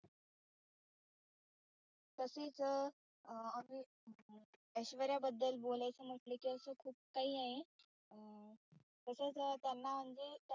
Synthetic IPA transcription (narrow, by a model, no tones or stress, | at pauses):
t̪əset͡sə | amiː | əɕʋəɾjabəd̪ːəlbolajt͡səm̤əʈlekiːəsəːkʰuːp̚kaɦiːaɦe | t̪əset͡sət̪janːam̤əɳd͡zet̪